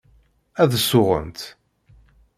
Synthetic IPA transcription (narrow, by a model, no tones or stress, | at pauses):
æðsːʊʁə̰nt̪